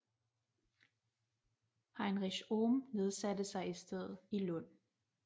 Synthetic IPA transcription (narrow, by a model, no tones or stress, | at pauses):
hɑ̈ɪnʁiɕomne̝ð̞ˠsæd̥əsɑ̈ɪisd̥eð̰̩ˠilɔ̽n̰